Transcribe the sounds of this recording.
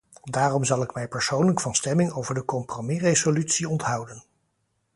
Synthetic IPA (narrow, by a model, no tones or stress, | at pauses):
daːrɔmzɑlˠɪkmɛjpəɹsownləkfɑnstɛmɪŋowvəɹdəkɔmpromirejzolytsiɔntɦʌwdən